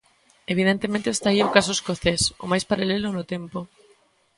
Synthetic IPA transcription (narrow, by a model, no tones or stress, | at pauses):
eβ̞iðent̪emẽnt̪eːst̪aiokas̬ʊoeskoθeso̰majspaɾalelʊnʊt̪ɛmpo